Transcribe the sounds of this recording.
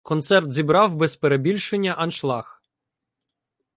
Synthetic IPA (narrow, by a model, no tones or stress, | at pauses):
kɔnt̪sɛrt̪zʲibɾɑwbɛzpeɾebʲilʲʃenʲːɐʔɐnʃlˠɑx